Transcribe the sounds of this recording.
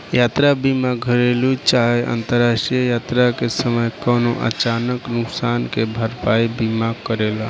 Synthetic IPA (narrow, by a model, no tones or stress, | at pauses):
jat̪ɾabimaɡɡʱəɾelut͡ʃaɦeʔə̰nt̪əɾasʈɾijəjat̪ɾakesəməjkənoʔə̰t͡ʃanəknʊksankebʱəɾpaibimakəɾela